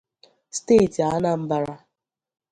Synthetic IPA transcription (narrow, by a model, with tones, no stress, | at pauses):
ste˦˨ti˨a˦na˦m̩˦ba˦ɾa˦